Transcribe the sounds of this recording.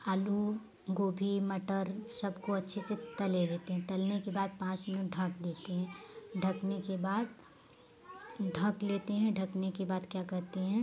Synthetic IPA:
aːlu | ɡoːbʱimɐʈəɾsɐbkoɐtːʃʰeset̪ɐleleːt̪eɦɛ̃t̪ɐlnekebaːd̪̚pãːt͡ʃmɪnʊʈ̚ɖʱɐk̚d̪eːt̪eɦɛ̃ːɖʱɐknekebaːd̪̚ | ɖʱɐ̃kleːt̪eɦɛ̃ɖʱɐknekebaːd̪kjaːkɐɾt̪eɦɛ̃ː

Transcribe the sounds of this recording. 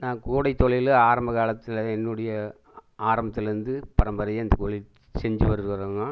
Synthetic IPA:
nãːkuːɽɐɪt̪ːɔɭɪlaːɾɐmbɐkaːlɐt̪ːɪlɛnːɯɽɐjɐ | aːɾɐmbɐt̪ːɪlɪɾɯnd̪ɯpɐɾɐmbɐɾɐjɐɐnd̪ɐkɔɭɪ | sɛɲd͡ʒɯʋɐɾɯɾɯkɐɾoːŋɡɐ

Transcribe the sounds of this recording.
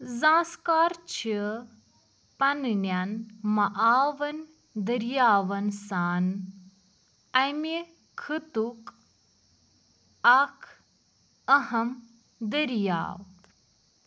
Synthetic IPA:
zãːskaːɾt͡ʃʰi | pɐnnjanmɐʔaːʋɐn | d̪əɾjaːʋɐnsaːn | ɐjmi | kʰɨt̪uk | ɐkʰ | ɐɦɐm | d̪əɾja̰ːw

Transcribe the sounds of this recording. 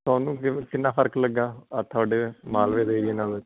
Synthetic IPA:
t̪aːnũːkɪkɪnːãːpʰəɾkləɡːaːat̪ʰʊaːɖeːmaːlʋeːd̪eːɾɪeːnãːʋe

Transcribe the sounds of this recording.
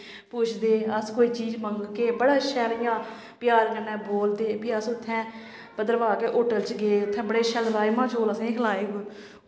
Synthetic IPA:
puːt͡ʃʰd̪eːəskoːiːt͡ʃiːd͡ʒməŋɡkeːbəɽaːʃɛːɾɪjãː | pjaːɾkənːɛ̃ːboːld̪eːpʰɪːəsʊt̪ʰːɛ̃ː | pəd̪əɾʋaːkeːʔoːʈəlt͡ʃɡeːʊt̪ʰːɛ̃ːbəɽeːʃəlɾaːjmãːt͡ʃoːləsẽːkʰlaːeːɡʊ

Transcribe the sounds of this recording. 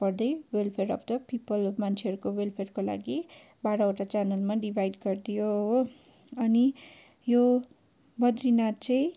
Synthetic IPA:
pʌrd̪ʌjwelpʰeɾʌpd̪ʌpipʌlmant͡sʰeɦʌɾukowelpʰerkola̰ɡi | baɽaoʈat͡sanʌlmaɖibʱajɖɡʌrd̪ijoɦ | ʌni | jo | bʌd̪rinat̪t͡sʌĩ

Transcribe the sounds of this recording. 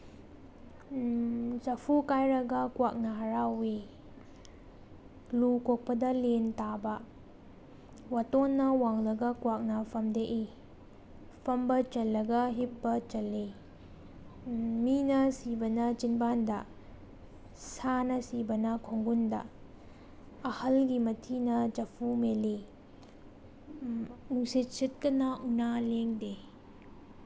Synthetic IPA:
zɐpʰukajɾɐɡɐkwak̚nɐɦɐɾawe | lukok̚pɐdɐlentabɐ | watonːɐwaŋlɐɡɐkwak̚nɐpʰɐmdeʔi | pʰɐmbɐt͡ʃɐlːɐɡɐɦipːɐt͡ʃɐlːe | minɐsibɐnɐt͡ʃinbandɐ̰ | sanɐsibɐnɐkʰoŋɡundɐ̰ | hɐlɡimɐtʰinɐd͡ʒɐpʰumele | uŋsit̚sit̚kɐnɐunaleŋde

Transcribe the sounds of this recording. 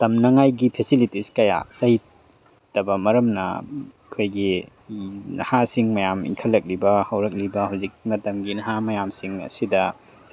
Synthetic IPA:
tɐmnɐŋajɡipʰesilitiskɐja̰lɐj | tɐbɐmɐɾɐmnɐ̰ | kʰojɡi | nɐ̰hasiŋmɐjamḭŋkʰɐlːɐk̚libɐhɐwɾɐk̚libɐhawzik̚mɐtɐmɡinɐɦamɐjamsiŋɐ̰sidɐ

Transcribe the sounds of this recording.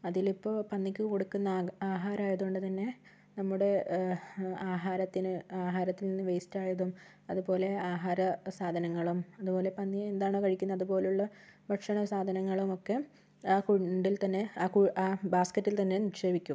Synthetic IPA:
ɐðilipːo̞ːpɐnːikʲːɨkoɽukːunːɐaːɦaːɾaːjɐðuoɳɖɨt̪ɐnːe̞ | nɐmːuɽe̞ | aːɦaːɾɐt̪ːinɨaːɦaːɾɐt̪ːilninːɨʋejstaːjɐðum | ɐðupo̞ːle̞aːɦaːɾɐsaːd̪ʱɐnɐŋːɐɭumɐðupo̞ːle̞pɐnːiend̪aːɳɨkɐɻikʲːunːɐðubo̞ːlejuɭːɐbɐʈʂɐɳɐsaːd̪ʱɐnɐŋːɐɭumo̞kːe̞ | aːkuɳɖilt̪ɐnːe̞aːkuaːbaːskɐtːilt̪ɐnːe̞niʂe̞ːbikʲːum

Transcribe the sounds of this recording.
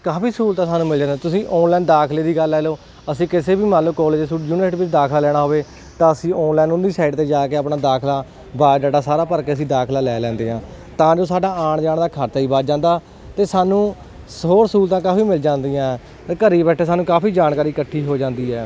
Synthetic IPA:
kaːpʰiːsuːlt̪ãːsaːnũːmɪld͡ʒãːnd̪aːt̪ʊsĩːʔɔːnlɛːnd̪aːkʰleːd̪iːɡəlːɛːloː | əsĩːkɪseːbiːmãːloːkɔːleːd͡ʒsuːʈjuːneːʈʋɪt͡ʃd̪aːkʰlaːlɛːɽ̃aːɦoːʋeː | t̪ãːəsĩːɔːnlɛːnʊnd̪iːsaːɪɖt̪eːd͡ʒaːkeːaːpnaːd̪aːkʰlaː | baːd͡ʒɛːɖaːsaːɾaːpəɾkeːəs̬ĩːd̪aːkʰlaːlɛːlɛ̃ːnd̪eːãː | t̪ãːd͡ʒoːsaːɖaːaːɳd͡ʒaːɳd̪aːkʰaɾt̪ːiːbaːd͡ʒãːnd̪aː | t̪eːsaːnũː | sɦoːɾskuːlt̪ãːkaːpiːmɪld͡ʒãːnd̪ijãː | t̪ːkəɾiːbɛːʈʰːeːsaːnũːkaːpiːd͡ʒaːnkaːɾiːkəʈʰːiːɦoːd͡ʒãːnd̪iːɛː

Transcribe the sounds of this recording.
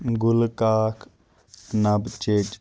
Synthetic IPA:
ɡulkaːkʰ | nɐbt͡ʃed͡ʒ

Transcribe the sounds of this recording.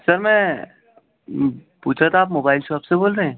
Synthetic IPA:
sɐɾmɛ̃ | puːt͡ʃʰat̪aːp̬moːbaːɪlʃɔːpseboːlɾeɦɛ̃ː

